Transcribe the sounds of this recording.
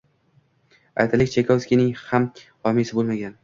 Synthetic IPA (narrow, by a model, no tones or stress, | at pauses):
a̰jt̪ʰalɪkʲt͡ʃʰekʲʰoskʲinɪŋhamhɒmisɪbolmaɡʲan